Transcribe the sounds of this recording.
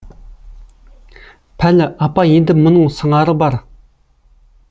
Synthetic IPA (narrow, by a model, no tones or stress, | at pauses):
pʰaləʔapajənd̪əp̚mənoŋsʰəŋaɾəpar